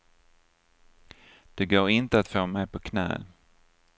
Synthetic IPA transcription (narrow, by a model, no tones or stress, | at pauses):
d̪̥ɛɡoːɾɪnt̪əat̪foːmɛjpʰɔkʰnɛ̰ː